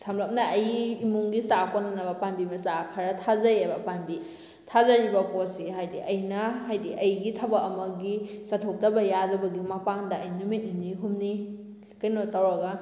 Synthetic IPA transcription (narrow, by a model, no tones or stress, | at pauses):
samlɐp̚nɐɐjimuŋɡistakonanɐbɐpanbimɐstakʰaɾɐtʰazajebɐpanbi | tʰazaɾibɐkosiɦajdiʔɐjnɐɦajdiʔɐjɡitʰɐbɐːmɐɡisatʰok̚tɐbɐjadɐbɐɡimapaŋdɐɐjnumiʔiniɦumni | kɐjnotawɾɐɡɐ